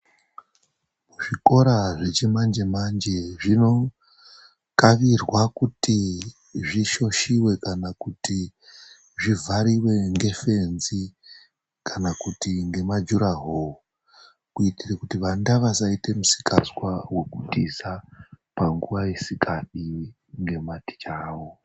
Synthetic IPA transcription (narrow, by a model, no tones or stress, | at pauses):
muʐiko̞ɾaʐe̞t͡ʃemand͡ʒe̞mand͡ʒe̞ʐino̞ | kaʋirwakuti | ʐiʃo̞ʃiwe̞kanakuti | ʐivʱaɾiwe̞ŋɡe̞fe̞nzi | kʰanakutiŋɡe̞mad͡ʒuɾaɦoo | kuitirekutiʋandaʋasaite̞musi̥kaswawe̞kutisapaŋɡuʋaisikaɗi | ŋɡe̞mati̥t͡ʃaːwo